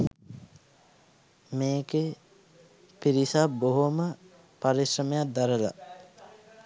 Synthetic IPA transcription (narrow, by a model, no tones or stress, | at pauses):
meːke | piɾisaboɦomə | paɾisɾəmejat̪̚d̪aɾəla̰